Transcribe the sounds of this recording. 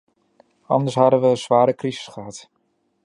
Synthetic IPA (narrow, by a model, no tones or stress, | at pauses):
ɑndəɹsɦɑdənʋəːnzʋaːɾəkrizɪ̥sχəɦɑt